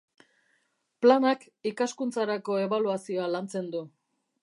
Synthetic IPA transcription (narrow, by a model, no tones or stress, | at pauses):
planak | ikaskunt͡saɾako̞e̞βaluasio̞alant͡se̞nd̪u